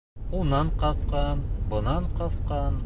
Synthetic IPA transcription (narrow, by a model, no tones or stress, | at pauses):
unɑɴqɑθqɑnbŏnɑɴqɑθqɑn